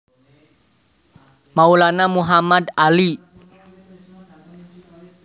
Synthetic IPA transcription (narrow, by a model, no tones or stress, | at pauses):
maulanamuɦamad̪ali